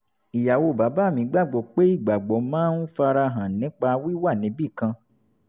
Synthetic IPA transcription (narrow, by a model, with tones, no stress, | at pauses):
i˨ja˨wo˧˨ba˨˦ba˨˦˨mĩ˨˦ɡ͡ba˦˨ɡ͡bɔ˨k͡pe˦i˦˨ɡ͡ba˨ɡ͡bɔ˨˦mãː˦nu˦fa˧ɾa˧ɦã˨nĩ˨˦k͡pa˧wi˦wa˦˨nĩ˨˦bi˦˨kã˧